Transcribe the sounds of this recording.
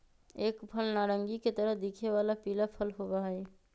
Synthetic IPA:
ekpʰəlnaɾəŋɡiket̪əɾəɦd̪ikʰeʋalapilapʰəlɦobaɦə

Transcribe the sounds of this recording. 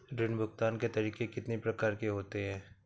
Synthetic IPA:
ɾɪnbʱʊkt̪aːnket̪ɐɾiːkekɪt̪nipɾɐkaːɾkeɦoːt̪eɦɛ̃ː

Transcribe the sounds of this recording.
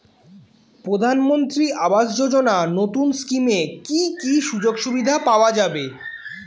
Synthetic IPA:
pɾod̪ʱanmont̪ɾiʔabaʃd͡ʑod͡ʑonanot̪unskimekikiʃud͡ʑoɡʃubid̪ʱapaoad͡ʑabe

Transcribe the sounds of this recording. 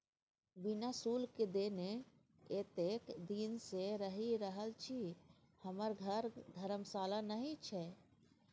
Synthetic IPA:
bɪnasuːlked̪eːne | et̪eːkd̪iːnseɾəɦiɾəɦəlt͡ʃʰi | həməɾɡʱəɾd̪ʱəɾəmsaːlanəɦĩt͡ʃʰɛ

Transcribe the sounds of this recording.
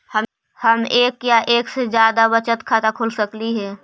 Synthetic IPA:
hə | həmeːkjaʔeːksed͡ʒjaːd̪abət͡ʃət̪kʰaːt̪akʰʊlsəkliɦɛː

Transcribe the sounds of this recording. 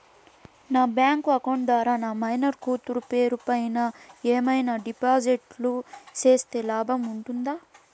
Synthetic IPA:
naːbjaːŋkuɐkoɳd̪ʋaːɾaːnaːmɐjnɐɾkuːt̪uɾupeːɾupɐjnaeːmɐjnaːɖipaːd͡ʒiʈlut͡ʃeːst̪e̞ːlaːbʱɐmuɳʈund̪aː

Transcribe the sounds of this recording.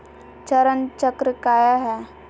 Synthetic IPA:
t͡ʃəɾənt͡ʃəkɾəkaːjaɦɛː

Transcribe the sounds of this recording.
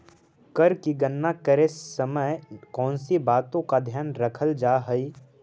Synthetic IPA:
kəɾkiɡənːakəɾesːəməkɔ̃ːnsibaːt̪õkad̪ʱjaːnɾɐkʰəld͡ʒaːɦəi

